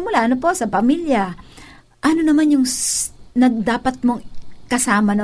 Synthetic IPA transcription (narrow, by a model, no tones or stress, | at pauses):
mʊlaʔɐnopo̞sɐpɐmiljɐ | ʔɐno̞nɐmanjʊŋ | nɐɡ̚d̪aːpɐt̪̚mo̞ŋkɐsaːmɐn